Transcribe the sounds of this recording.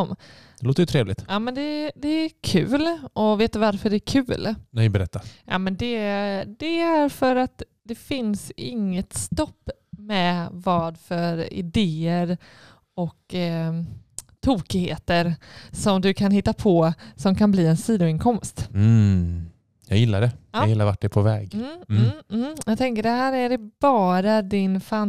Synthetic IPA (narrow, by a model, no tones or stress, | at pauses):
m | d̪ɛloːt̪əjɵt̪ʰɾeːvlɪ̰t̪ʔɑːmɛnd̪ɛd̪ɛækʰʉ̟ːlʔɔveːt̪d̪ɵvaɾfœɖɛækʰʉ̟ːlnɛɪbɛɾɛt̪ːajɑ̰ːmɛnd̪ɛd̪ɛæɾfœɾat̪ | d̪ɛfɪnsɪ̰ŋːət̪st̪ɔpː | mɛvɑːd̪fœɾɪ̰d̪eːəɾ | ɔk | t̪ʰuːkɪheːt̪əɾsɔmd̪ɵkʰanhɪt̪ːapʰɔsɔmkʰanbliːɛnsiːd̪ʊɪnkʰɔmst̪ | jɑ̰ɡjɪlːaɖɛjajɪlːaɾvaʈ̚ːɖɛpʰɔvɛ̰ːɡm̩ː | jɑɡt̪ʰɛŋkəɖɛɦæːɾæɖɛbɑːɾad̪ɪnfan